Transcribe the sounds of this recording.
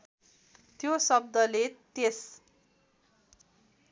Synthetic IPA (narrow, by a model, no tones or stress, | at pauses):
t̪josʌb̚d̪ʌlet̪es